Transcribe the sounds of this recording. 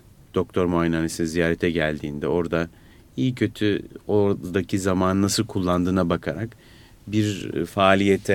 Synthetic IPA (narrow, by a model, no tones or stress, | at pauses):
d̪̥o̞k̚t̪ʰo̞ɾmojnanisinzijaːɾɛt̪ʰɛɟælʲd̪iːnd̪ɛo̞ɾd̪a | ijicʰø̞t̪ʰyod̪acʰizamaːnɯnasɯlˠkʰulˠːand̪ɯːnabakʰaɾak | biɾfaːlʲijet̪ʰɛ